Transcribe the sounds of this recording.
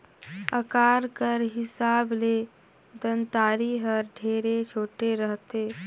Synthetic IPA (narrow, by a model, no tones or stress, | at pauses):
əkaːɾkəɾɦɪsaːble | d̪ənt̪aːɾiɦəɾɖʱeːɾet͡ʃʰoːʈeɾəɦt̪e